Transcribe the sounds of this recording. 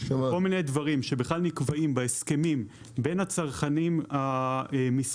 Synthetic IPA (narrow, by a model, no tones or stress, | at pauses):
ʃakolminedvaʁimʃe̞beχlalnikvaimbeeske̞mim | be̞nat͡saʁχanimamis